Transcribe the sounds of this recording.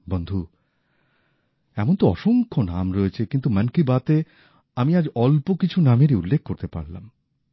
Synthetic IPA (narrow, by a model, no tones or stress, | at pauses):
bond̪ʱu | ɛmont̪oɔʃoŋkʰona̰mɾɔet͡ɕʰekint̪umankibat̪e | amiad͡ʑɔlpokit͡ɕʰunameɾiulːek̚ʰkoɾt̪epa̰ɾla̰m